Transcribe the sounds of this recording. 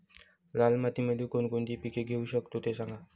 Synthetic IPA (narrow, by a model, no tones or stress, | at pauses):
lalmat̪imelikonkont̪ipikeɡʱeuɕəkt̪ot̪esãŋɡa